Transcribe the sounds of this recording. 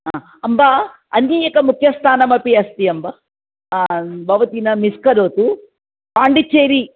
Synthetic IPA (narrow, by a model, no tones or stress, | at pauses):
aː | ɐmba | ɐnːiːɐkɐmukʰjɐst̪ʰaːnɐmɐpiɐst̪iɐmbɐ | bɐʋɐt̪inɐmiskɐɾoːt̪u | paːɳɖit͡ʃːeːɾi